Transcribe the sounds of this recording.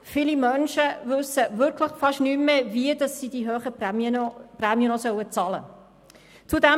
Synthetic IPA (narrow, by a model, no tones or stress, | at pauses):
filimœnʃəvʉsəvʏɾkʰlɪχfɑʃnyːmːeviədɑsːiːd̥iɦøːχəpməprɛmiənɔsœwət͡sɑlə̰ | t͡sudæ